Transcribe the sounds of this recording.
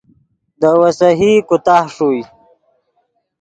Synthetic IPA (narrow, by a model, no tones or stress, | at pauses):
d̪əwasaɦikʊt̪ahʂuj